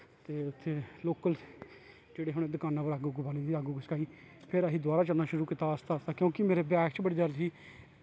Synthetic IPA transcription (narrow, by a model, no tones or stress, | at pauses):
t̪eːʊt̪ʰːeːloːkəls | d͡ʒeːɽeːɦʊɽ̃eːd̪ʊkaːnãːpəɾaːɡuɡbaːlĩiaːɡuːɡəskaːiː | pʰɪɾəɦiːd̪ʊaːɾaːt͡ʃəlnaːʃʊɾuːkit̪aːəst̪aːəst̪aːkjõːkɪmeːɾeːbɛːkt͡ʃbəɽiːd̪əɾd͡ʒiː